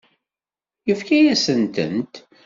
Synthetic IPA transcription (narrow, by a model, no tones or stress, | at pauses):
jəfkæjæsənt̪ə̰nt̪